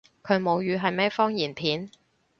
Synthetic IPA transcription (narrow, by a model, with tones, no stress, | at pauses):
kʰɵ˨˧ɥmo˨˧wjyː˨˧ɦɐ˨jmɛː˥fɔː˥ŋjiː˨˩npʰiː˨˥n